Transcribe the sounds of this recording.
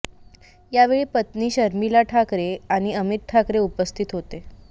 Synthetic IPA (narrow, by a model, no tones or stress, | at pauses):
jaʋeɭiːpət̪niːɕəɾmilaʈʰakɾeaɽ̃iəmit̪̚ʈʰakɾeupəst̪ʰit̪ɦot̪e